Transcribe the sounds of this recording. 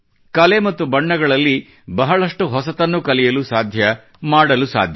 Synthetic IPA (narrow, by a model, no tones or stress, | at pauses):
kɐlemɐt̪ːubɐɳːɐɡɐɭɐlːi | bɐɦɐɭɐʂʈuɦɔsɐt̪ɐnːukɐlɛjɐlusaːd̪ʱjɐ | maːɽɐlusa̰ːd̪ʱjɐ